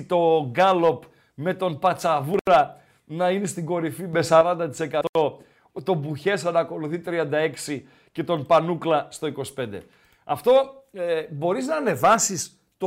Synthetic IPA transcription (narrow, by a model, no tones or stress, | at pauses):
t̪o̞ɡɐlo̞p | me̞t̪o̞npɐt͡sɐvuɾɾɐ | nɐine̞st̪iɡo̞ɾifime̞sɐɾɐnd̪ɐt̪i̥se̞kɐt̪o | t̪o̞buçe̞sɐnɐko̞luθit̪ɾiɐnd̪ɐe̞ksi | ce̞t̪o̞npɐnuklɐst̪o̞iko̞si̥pe̞nd̪e̞ | ɐft̪o̞ebo̞ɾiznɐːne̞vɐsis | t̪o